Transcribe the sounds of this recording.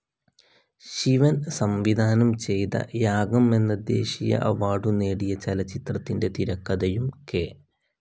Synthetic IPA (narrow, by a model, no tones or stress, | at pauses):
ɕiʋɐnsɐmʋid̪ʱaːnɐmt͡ɕe̞jt̪ɐ̰jaːɡɐme̞nːɐd̪je̞̰ːɕijɐ̰ʔɐʋaːɽune̞ːɽijɐt͡ɕelɐt͡ɕːit̪rɐt̪ːinde̞t̪iɾɐkːɐðɐjumkeː